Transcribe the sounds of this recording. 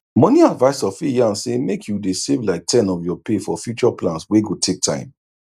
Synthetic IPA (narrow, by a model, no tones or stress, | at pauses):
mɔniadvaɪsɔfijãnsemekʰjudesevlaɪk̚tʰɛ̃nɔfjɔpefɔfjut͡ʃɔplãnsweɡotʰek̚tʰã̰ɪ̃m